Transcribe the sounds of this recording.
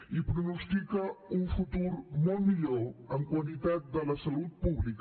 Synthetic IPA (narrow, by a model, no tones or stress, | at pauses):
ipɾonost̪ikaunfut̪uɾmolmiʎoəŋkwalit̪at̪̚d̪əlasalut̪̚puβlik